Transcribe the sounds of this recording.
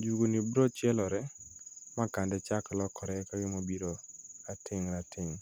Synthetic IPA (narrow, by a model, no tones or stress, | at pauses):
d͡ʒuɡonibɾɔt͡ʃjɛlɔɾɛmakandɛt͡ʃaklɔkɔɾɛkaɡɪmobiɾoatɪŋɾatɪŋ